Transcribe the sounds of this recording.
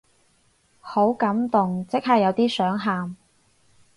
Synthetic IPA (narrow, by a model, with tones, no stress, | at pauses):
ho˨˥wkɐ˨˥mt̪ʊ˨ŋt͡sɪ˥k̚ɦɐː˨jɐ˨˧wt̪iː˥sœː˨˥ŋɦaː˨m